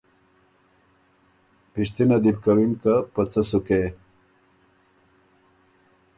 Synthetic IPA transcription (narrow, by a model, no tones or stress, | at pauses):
piʂt̪inad̪ib̚kawinkapat͡sasuke